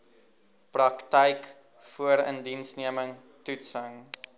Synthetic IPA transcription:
prɐktɛjk | fuəɾə̰ndinsniəməŋ | tutsəŋ

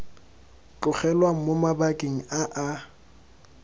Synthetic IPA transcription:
kʊχɛlwaŋ̩momabakʼeŋ̩aʔa

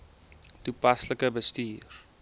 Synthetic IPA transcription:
tupɐsləkəbəstiːr

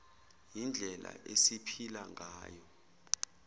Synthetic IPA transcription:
jind͡ɮʱɛla̰ʔesipʰilaŋʱaːjɔ

